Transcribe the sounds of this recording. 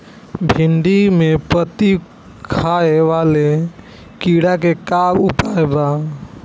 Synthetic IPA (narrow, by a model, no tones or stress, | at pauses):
bʱiɳɖimepət̪i | kʰaeʋale | kiɽakekabupaeba